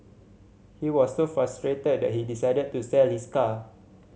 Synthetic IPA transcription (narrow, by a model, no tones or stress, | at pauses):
hiwɔsːofɹastɹetəd̚dɛ̰t̚hidisaɪdəd̚tusɛlhiska